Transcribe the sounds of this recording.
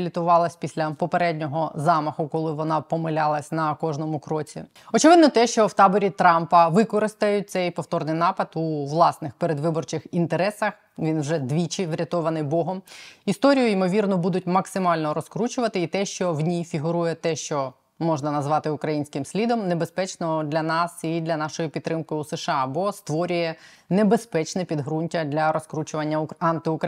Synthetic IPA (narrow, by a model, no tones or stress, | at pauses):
lʲit̪ʊʋɑlˠɐsʲpʲisʲlʲɐpɔpeɾɛdʲnʲɔɦɔzɑmɐxʊkɔlˠɪʋɔnɑpɔmɪlʲɑlˠɐsʲnɐkɔʒnɔmʊkɾɔt͡sʲḭ | ɔt͡ʃɪʋɪd̪nɔt̪ɛʃt͡ʃɔwt̪ɑbɔɾʲit̪ɾɑmpɐʋɪkɔɾɪst̪ɐjʊt̪̚ʲsɛjpɔft̪ɔrnɪjnɑpɐd̪uʋlˠɑsnɪxpeɾed̪ʋɪbɔrt͡ʃɪxint̪eɾɛsɐx | ʋʲinwʒɛd̪ʋʲit͡ʃɪʋɾʲɐt̪ɔʋɐnɪjbɔɦɔmist̪ɔɾʲijʊimɔʋʲirnɔbud̪ʊt̚ʲmɐksɪmɑlʲnɔɾɔskɾut͡ʃʊʋɐt̪ɪit̪ɛʃt͡ʃɔwnʲijfʲiɦʊɾujɛt̪ɛʃt͡ʃɔ | mɔʒnɐnɐzʋɑt̪ɪʊkɾɐjinʲsʲkɪmsʲlʲid̪ɔmne̞bespɛt͡ʃnɔd̪lʲɐnɑsid̪lʲɐnɑʃɔjipʲit̪ːɾɪmkɪuseʃɑbɔst̪ʋɔɾʲʊjɛnebespɛt͡ʃnɛpʲid̪ɦɾunʲtʲɐd̪lʲɐɾɔskɾut͡ʃʊʋɐnʲːɐɑnt̪ɪʊk